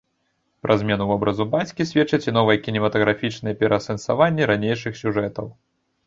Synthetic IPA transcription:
pɾʔazʲmʲɛnuvɔbɾʔɐzubat͡sʲkʲisʲvʲɛt͡ʂɐt͡sʲɛn̪ɔvɨjɛkʲinʲɛmɐt̪ɐɣɾafʲit͡ʂnɐjɛpʲɛɾʔɐsɐnsavanʲːɛɾanʲejʂɨxsʲuʐɛt̪ɐw

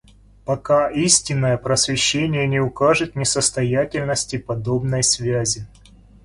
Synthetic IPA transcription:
pɐkaisʲtʲɪnːəjəpɾəsvʲɪɕːenʲɪjənʲɪʊkaʐɨt̪nʲɪsəst̪ɐjætʲɪlʲnəsʲtʲɪpɐd̪o̞bnəjsvʲæzʲɪ

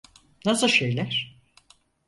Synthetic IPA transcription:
nasɯʃejlʲæɾ̥

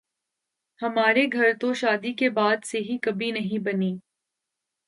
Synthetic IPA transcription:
hɐmaːɾeɡʱɐɾt̪oʃaːd̪ikebaːd̪seɦikɐbʱinɐɦĩbɐniː

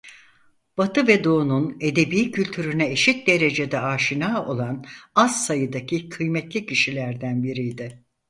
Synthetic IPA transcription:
b̥at̪ʰɯvɛd̪o̞ːnune̞d̪e̞biːcʰylʲt̪ʰyɾynɛeʃit̪̚d̪e̞ɾe̞d͡ʒe̞d̪ɛaːʃinaːo̞lˠanazsajɯd̪acʰikʰɯjmɛt̪lʲicʰiʃilʲæɾd̪ænbiɾijd̪ɪ

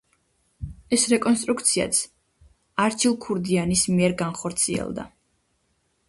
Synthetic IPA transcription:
ɛsɾɛkʼɔnst̪ʼɾukʰt̪sʰia̰t̪sʰ | aɾt͡ʃʰilˠkʰuɾd̪ianismiɛɾɡanχɔɾt̪sʰiɛ̰lˠd̪a̰

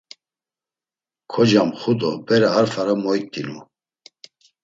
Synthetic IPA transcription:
kʰɔd͡ʒamχud̪ɔbɛɾaaɾfaɾamɔjt̪ʼːinu

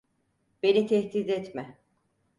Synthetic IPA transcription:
be̞nit̪ʰɛçt̪izɛt̪mɛ

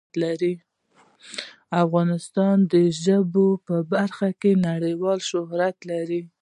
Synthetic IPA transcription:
laɾi | afɣɑnɪst̪ɑnd̪əʒəbopəbaɾxakenaɽəjwɑlʃʊɦɾat̪laɾi

